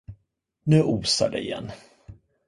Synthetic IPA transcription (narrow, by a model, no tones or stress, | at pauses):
nʉ̟ːʔuːsa̰ɖɛ̰ɪjɛ̰nː